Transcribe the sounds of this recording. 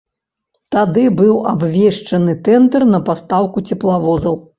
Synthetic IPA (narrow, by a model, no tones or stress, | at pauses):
t̪ad̪ɨbɨwabvʲeʂt͡ʂɐnɨt̪ɛnd̪ɛrnɐpast̪awkut͡sʲɛplˠavɔzɐw